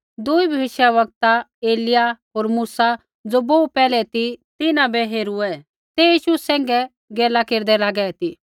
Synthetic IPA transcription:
d̪ʊibʱɐʋɪʃjaʋɐɡ̚t̪aeːlɪjaɦoːɾmuːsa | d͡zoːboːupɛːlɛt̪it̪ɪnãbɛɦeːɾuɛ | t̪ejiːʃusɛ̃ːŋɡɛ | ɡeːlakeːɾd̪ɛlaːɡɛt̪i

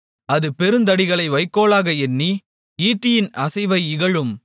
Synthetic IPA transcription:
ɐðɯpɛɾɯnd̪ɐɽɪɣɐɭɐɪʋɐɪkːoːɭaːɣɐɛnːi | iːʈːɪjɪnɐsɐɪʋɐɪɪɣɐɭɯm

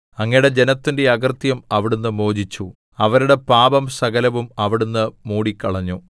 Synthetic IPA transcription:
ɐŋːɐjɽe̞d͡ʑe̞nɐt̪ːinde̞ɐɡɐrt̪jɐmɐʋiɽunːɨmo̞ːd͡ʑit͡ɕːu | ɐʋɐɾuɽe̞paːbɐmsɐɡɐlɐʋumɐʋiɽunːɨmuːɽikːɐɭɐɲːu

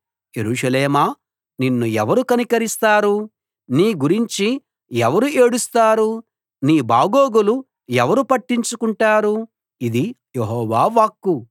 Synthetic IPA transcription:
jeɾuːʂɐleːmaː | ninːuɛʋɐɾukɐnikɐɾist̪aːɾu | niːɡuɾiɲt͡ʃi | ɛʋɐɾueːɽust̪aːɾu | niːbaːɡoːɡulu | ɛʋɐɾupɐʈːiɲt͡ʃukuɳʈaːɾu | id̪i | jeɦɔːʋaːʋaːkːu

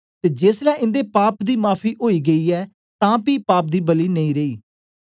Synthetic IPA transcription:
t̪eːd͡ʒeːslɛ̃ːʔɪ̃nd̪eːpaːpd̪iːmaːpʰiːʔoːiːɡəiːɛː | t̪ãːpiːpaːp̚d̪iːbəliːnəĩːɾeiː

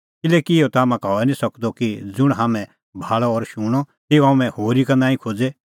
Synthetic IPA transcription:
kɪlɛːkiɪɔt̪aːmãkɔːɛnĩsɐkd̪ɔkid͡zʊɽ̃ɦaːmɛ̃ | bʱaːɭɔɔɾʃuːɽ̃ɔ | t̪iɔamɛ̃hoːɾikɐnaːĩkʰoːd͡ze

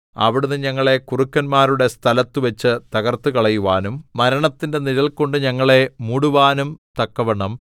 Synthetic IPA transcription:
ɐ̰ʋiɽunːɨɲɐŋːɐɭe̞kurukːɐnmaːɾuɽe̞st̪ʰɐlɐt̪ːɨʋɐt͡ɕːɨt̪ɐɣɐrt̪ukɐɭɐjuʋaːnumːɐɾɐɳɐt̪ːinde̞niðɐlko̞ɳɖɨɲɐŋːɐɭe̞muːɽuʋaːnumt̪ɐkːɐʋɐɳɐm

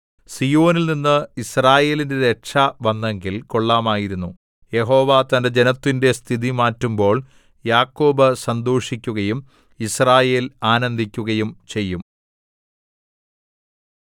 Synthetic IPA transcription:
sijo̞ːnilninːɨisraːje̞ːlinde̞ɾekʂɐʋɐnːe̞ŋɡilko̞ɭːaːmaːjiɾunːu | je̞ɦo̞ːʋat̪ɐnded͡ʑe̞nɐt̪ːinde̞st̪ʰiðimaːtːumbo̞ːɭ | jaːkːo̞ːbɨsɐnd̪oːʂikʲːuɣɐjum | israːje̞ːlaːnɐnd̪ʱikʲːuɣɐjumt͡ɕe̞jːum

